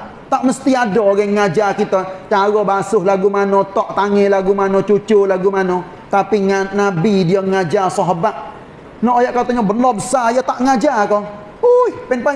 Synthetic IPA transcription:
t̪aʔməst̪iadɔɡɛŋad͡ʒakit̪ət͡ʃaɾɔbasʊɦlaɡumanɔt̪ɔʔt̪aŋɪlaɡumanot͡ʃut͡ʃʊlaɡumano | t̪apiŋanabidiəŋad͡ʒasɔɦabaʔ | nɔʔojaʔkat̪ɔɲabənɔbəsajət̪aʔŋad͡ʒako | uipɛnpa

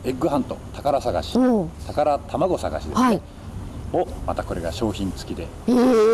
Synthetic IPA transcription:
e̞ɡɯɦãnt̪o̞̰t̪ʰakaɾasaɡa̰ɕi̥t̪akaɾat̪ʰamaɡo̞saɡa̰ɕid̪e̞si | omat̪ako̞ɾe̞ɡaɕo̞ːçĩnt͡sɨ̥kʲid̪e̞

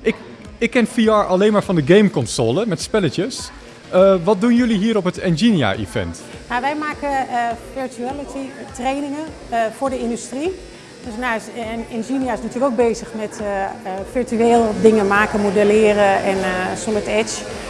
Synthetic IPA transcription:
ʔɪk | ɪkːɛnfiːɑːɹʔɑlejnmaːɹfɑndəɡejmkɔnsoːləmɛtspɛlət͡ʃəs | əʋɑt̚dunjɵliɦiːɾɔpətɛnzinija̰ʔḭfɛ̰nt | naʋɛjmaːkəfɪɹtyɛlətʰitrejnɪŋə | foːɹdəɪndystri | døsnaɪnzinijaɪsnatyːləkowk̚beːzəxmɛt | fɪɹtyeːlˠdɪŋənmaːkəmodəlɪːərəɛnsɔnətɛt͡ʃ

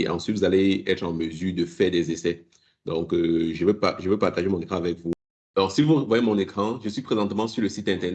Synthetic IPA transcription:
ʔɑ̰̃sɥit̪vuzaleɛt̪χɑ̃məzyːʁd̪əfɛʁd̪ɛzesɛ | d̪ɔ̃køʒəvøpaʒəvøpaʁt̪aʒemɔ̃nekχɑ̃avɛkvu | alɔʁsivuvwajemɔ̃nekχɑ̃ʒəsɥipχezɑ̃t̪əmɑ̃syʁləsit̪ɛ̃t̪ɛʁn

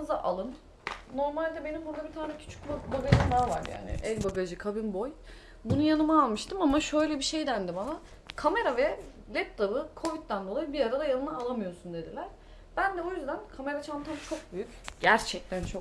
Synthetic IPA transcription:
ɯzaʔalˠɯnː | o̞ɾmalʲd̪ɛbe̞nimbuɾd̪abit̪ʰaːnɛcʰy̥t͡ʃʰy̥kbabaɡanimaːvaɾja̰ːnɪ̰ʔɛlʲbaɡad͡ʒɯkʰabinbo̞j | bunujanɯmaːlˠmɯʃt̪ɯmamaʃø̞jlʲɛbiʃe̞jd̪ænd̪ɛbana | kʰame̞ɾavɛ | lʲɛp̚d̪abɯkʰo̞vit̪ːænd̪oajɯbiaɾad̪ajanɯmaːlˠamɯjo̞sund̪e̞d̪ilʲæɾ̥ | b̥ænd̪ɛojyzd̪ænkʰame̞ɾat͡ʃʰamt̪ʰamt͡ʃʰo̞k̚byjycɟæɾt͡ʃʰɛc̚t̪ʰænt͡ʃʰo

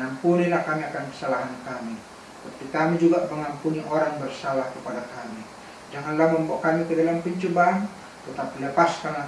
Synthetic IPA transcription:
ŋampunilahkamiakankə̥salaɦankami | t̪at̪ap̪ikamid͡ʒuɡaʔməŋampuniʔoɾaŋbərsalahkəpadakami | d͡ʒaŋanlahməmboʔkamikədalampiɲt͡ʃubaŋ | t̪ət̪apiləpaskanla

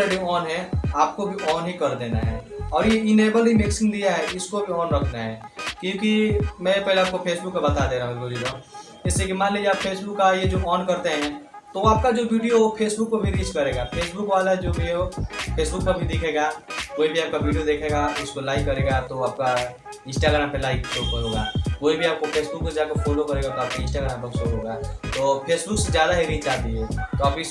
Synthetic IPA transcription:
eɖiɔːnɦɛaːp̚kobʱiʔɔːnɦikɐɾd̪eːna̰ɦɛ̰ːɔːɾjeɪneːbəlɦimɪksɪ̃ŋɡd̪ijaɦɛɪskobʱiɔːnɾɐkʰnaɦɛ̰ːkjõːkimɛ̃pɛɦleaːp̚kopʰeːsbʊkːabɐt̪ad̪eːɾaɦũɡoɾiɾã | ɪsliekimaːnleːd͡ʒeaːpfʰeːsbʊkːajed͡ʒoːʔɔːnkɐɾt̪eɦɛ̃ | t̪oʋoaːp̚kad͡ʒoːʋiːɖijoopʰeːsbʊkːobʱiɾiːskɐɾeːɡapʰeːsbʊkʋaːlad͡ʒoːbʱiopʰeːsbʊk̚pɐbʱid̪eːkʰeːɡaːʋoːibʱiaːp̚kaʋiːɖijod̪eːkʰeːɡaʊskolaːɪkːɐɾeːɡat̪oaːp̚ka | ɪ̃nsʈaːɡɾaːmpelaːɪksooɦoːɡaːʋoːibʱiaːp̚kopʰeːsbʊk̚ːed͡ʒaːkeɾfoːlokɐɾeːɡat̪oaːp̚kiɪ̃nsʈaːɡɾaːmpesoɦoːɡaːt̪oːpʰeːsbʊksezjaːd̪aɦeɾiːt͡ʃt͡ʃaːt̪ĩɛ̃ːt̪oaːpis

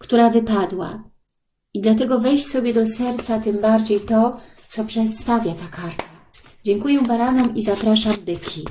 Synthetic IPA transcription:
kt̪uɾavɘpad̪wa̰ | id̪lat̪̬ɛɡɔvɛjɕsɔbʲjɛd̪ɔsɛɾt̪sat̪ɘmbaɾd͡ʑejt̪ɔ | t̪sɔpʂɛt̪st̪avʲjat̪akaɾt̪a | d͡ʑɛŋkujɛbaɾanɔmizapɾaʂamd̪ɘkʲʰi

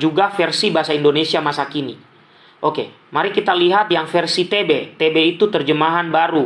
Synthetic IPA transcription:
d͡ʒuɡafɛrsibaɦasaindonesiamasakinḭ | ʔoke | maɾikit̪aliɦat̪̚jaŋfɛrsit̪ebet̪ebeit̪ut̪ərd͡ʒəmaɦanbaɾu

